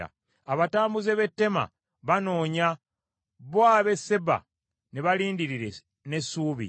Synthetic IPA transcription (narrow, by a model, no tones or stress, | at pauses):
a̰ | aβataːmbuzeβe̞tːe̞ma̰ | βano̞ːɲa | βwaːβe̞se̞ba̰ | ne̞βaliːndiɾiɾe̞ | ne̞suːβḭ